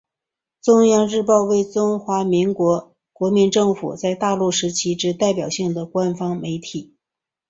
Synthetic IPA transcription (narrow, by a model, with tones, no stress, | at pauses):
t͡sʊ˥ŋjɑ˥˧ŋɻɻ̩˥˧pɑ˥˧ʊwe˥˩ɪt͡sʊ˥ŋxwa˧˥mi˧˥ŋkwɔ˧˥ | kwɔ˧˥mi˧˥nʈ͡ʂɤ˥˩ŋfṵ˨˩t͡sa˥˧ɪt̪a˥˧lu˥˩ʂɻ̩˧˥t͡ɕʰi˧˥ʈ͡ʂɻ̩˧˥t̪a˥˩ɪp̬jɑ˨˩ʊɕi˥˩ŋd̪ə˩kwa˥nfɑ˥ŋme˧˥ɪt̪ʰi˨˩˦